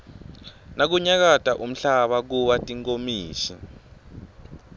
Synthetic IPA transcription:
nak̬uɲak̬atʼaʔum̩ɬaɓak̬uɓatʼiŋkomiːʃḭ

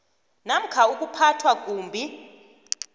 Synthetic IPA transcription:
nam̩kʰauk̬ʼupʰatʰwak̬ʼuːmbʱi

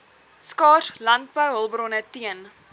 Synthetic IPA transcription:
skɑːrlɐnt̚bəwɦəlˠbɾonətiən

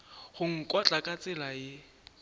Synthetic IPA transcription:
χʊŋ̩kʼɔt͡ɬʼakʼat͡sʼɪlajɪ

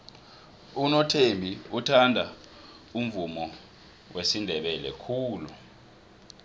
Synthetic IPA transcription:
unɔtʰembʱiutʰandʱa | um̩vumɔ | wʔesindʱɛɓɛlɛkʰuːlu

